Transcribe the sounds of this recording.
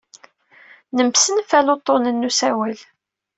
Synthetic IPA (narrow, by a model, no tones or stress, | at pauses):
nəmsənfælot̪ˤːonənːusæwæl